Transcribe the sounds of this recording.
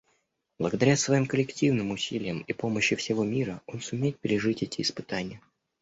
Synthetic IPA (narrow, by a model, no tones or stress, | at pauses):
b̥lˠəɡəd̪ɐɾʲasvɐjimkəlʲɪktʲivnɨmʊsʲilʲɪjəmipo̞məɕːɪfsʲɪvo̞mʲiɾəo̞nsʊmʲejɪt̪̚pʲɪɾʲɪʐɨtʲɛtʲɪːspɨt̪anʲɪjə